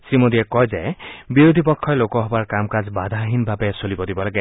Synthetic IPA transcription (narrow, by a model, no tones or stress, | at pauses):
simod̪iekɔjd͡ʒebiɾod̪ʱipɔkʰːɔjlokɔɦɔbaɹkamkad͡ʒbad̪ʱaɦinbʱabɛsolibɔd̪ibɔlaɡɛ